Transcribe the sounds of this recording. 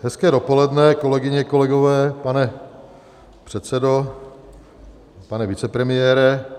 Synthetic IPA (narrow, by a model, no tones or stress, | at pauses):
ɦɛskɛːdo̞po̞lɛdnɛkolɛɡɪɲɛko̞lɛɡovɛːpanɛ | pr̝̥ɛt̪sɛdo | panɛvɪt͡sɛpɾɛmɪjɛːɾɛ